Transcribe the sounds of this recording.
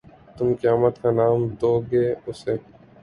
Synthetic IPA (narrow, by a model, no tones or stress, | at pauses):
t̪ʊmkəjaːmət̪kanaːmd̪oːɡeːʊseː